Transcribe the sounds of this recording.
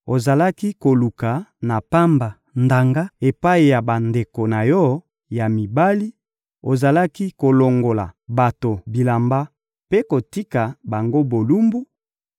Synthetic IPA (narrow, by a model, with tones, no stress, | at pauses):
o˨za˨la˦ki˦ko˨lu˨ka˨na˨pa˦mba˨ | nda˨ŋɡa˦e˨pa˦i˨ja˨ba˨nde˨ko˨na˨jɔ˦ | ja˨mi˨ba˦li˦ | o˨za˨la˦ki˦ko˨lo˨ŋɡo˨la̰˨ba˨to˨bi˨la˨mba˦ | pe˦ko˨ti˦ka˨ba˨ŋɡo˦bo˨lu˦mbu˦